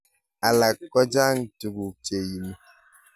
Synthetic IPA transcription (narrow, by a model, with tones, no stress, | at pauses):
a˨la˨kːɔ˦d͡ʒa˦ŋ̩˨tu˨ɡu˨t͡ʃe˨ji˨mu˦